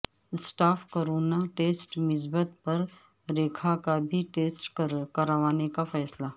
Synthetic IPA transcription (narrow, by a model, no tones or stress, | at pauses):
sʈaːfkoɾoːnaʈeːsʈmɪs̬bət̪pɐɾ | ɾeːkʰakabʱiʈeːsʈkɐɾaʋaːnekafɛːsla